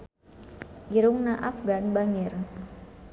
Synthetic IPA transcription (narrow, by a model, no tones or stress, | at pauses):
ʔiɾʊŋnaʔafɡanbaŋɪr